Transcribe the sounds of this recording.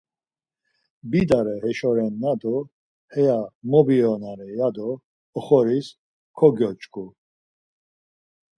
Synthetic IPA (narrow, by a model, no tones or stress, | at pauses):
bid̪aɾɛhɛʃɔɾɛnːad̪ɔ | hɛjamɔbiɔnaɾɛjad̪ɔː | χɔɾis | kʰɔɡjɔt͡ʃkʰʼu